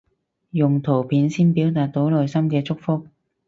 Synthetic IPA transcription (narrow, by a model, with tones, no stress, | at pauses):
jʊ˨ŋt̪ʰo˨˩wpʰiː˨˥nsiː˥npiː˨˥wt̪aː˨t̚t̪o˨˥wlɔː˨jsɐ˥mkɛː˧t͡sʊ˥k̚fʊ˥k̚